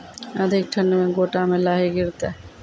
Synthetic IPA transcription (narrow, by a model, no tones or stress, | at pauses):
a̰d̪ʱik̚ʈʰanːemeɡoʈamelaɦiɡiɾt̪a